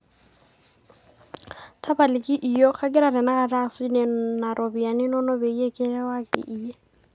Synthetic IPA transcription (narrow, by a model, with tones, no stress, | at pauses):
tʰa˦ba˨lɪkʼɪ˦ʔi˨jɔ˦k͡xʰa˦kʼɪ˦ɾa˨ɾɪ˨na˦ɣa˨ra˦snɛ˨na˨ɾʔobi˨a˨nɪ˦nɔ˦nɔ˦be˨i˦e˦kʼɪ˦ɾɛ˦wa˦kʼɪ̰˨ʔije˦